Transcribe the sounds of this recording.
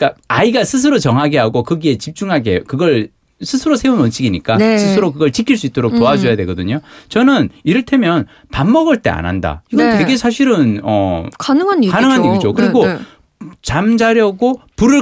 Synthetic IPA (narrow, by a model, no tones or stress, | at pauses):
k͈aaiɡasʰɯs̬ʰɯɾot͡ɕʌŋɦaɡe̞ɦaɡokɯɡie̞t͡ɕip̚t͡ɕ͈uŋɦaɡekɯɡʌɭ | sʰɯsʰɯɾosʰe̞unʌnt͡ɕʰiɡiɲik͈asʰɯsʰɯɾokɯɡʌɭt͡ɕikʰiɭs͈uit͈oɾok̚poad͡ʑojade̞ɡʌdɯɲot͡ɕʌnɯniɾɯɭtʰe̞mjʌn | pamːʌɡɯɭt͈e̞̰a̰nɦa̰nda̰iɡʌntwe̞ɡe̞sʰaɕ̬ʰiɾɯnʌkanɯŋanikanɯŋɦaniɡid͡ʑokɯɾiɡo | t͡ɕamd͡ʑaɾjʌɡopuɾɯ